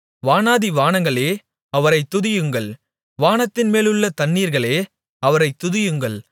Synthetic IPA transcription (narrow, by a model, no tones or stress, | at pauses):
ʋaːnaːðiʋaːnɐŋɡɐɭeː | ɐʋɐɾɐɪt̪ːʊðɪjɯŋɡɐɭ | ʋaːnɐt̪ːɪnmeːlɯɭːɐt̪ɐnːiːɾɣɐɭeː | ɐʋɐɾɐɪt̪ːʊðɪjɯŋɡɐɭ